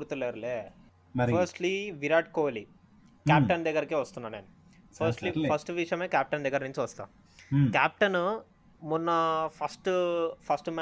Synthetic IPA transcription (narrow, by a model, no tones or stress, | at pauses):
uɾt̪ileɾɐleː | pʰɐɾsʈliʋiɾaːʈ̚koːli | kaːp̚ʈɐnd̪ɛɡɐɾikːeʋɐst̪unːɐneːnu | pʰɐsʈlipʰɐsʈʋiʂjɐmeːkaːp̚ʈɐnd̪ɛɡɐɾniɲt͡ʃuʋɐst̪a̰ | kaːp̚ʈɐn | munːɐpʰɐsʈpʰɐsʈm